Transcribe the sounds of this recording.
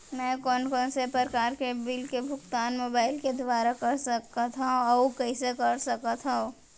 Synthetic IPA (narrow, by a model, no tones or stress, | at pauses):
mɛ̃ːkɔːnkɔːnsepɾəɾkaːɾkebɪlkebʱʊkt̪aːnmoːbaːɪlked̪ʋaːɾakɐɾsəkat̪ʰaõɔkɛɪsekɐɾsɐkat̪ʰɦaõ